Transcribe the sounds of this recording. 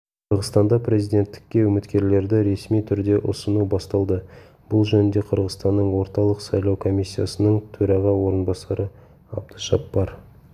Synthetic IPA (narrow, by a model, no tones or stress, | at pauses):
qʰəɾʁəzt̪ɑnd̪ɑpɾe̞zijd̪ʲe̞nt̪ːɪ̥kʲːe̞ɵmɪt̪kʲe̞ɾle̞ɾd̪ɪɾe̞smijt̪ʰʏɾd̪e̞ʔʊsənubɑst̪ɑlˠd̪ə | b̥ʊlˠʒɵnɪnd̪e̞qʰəɾʁəzst̪ɑnːəɴwo̞ɾt̪ɑlˠəqsɑjlˠɑwkʰo̞mʲisʲːija̰sənəɴt̪ʰɵɾɑʁɑwo̞ɾənbɑsɑɾʔə | ɑ̰b̚d̪əʒɑpːɑɾ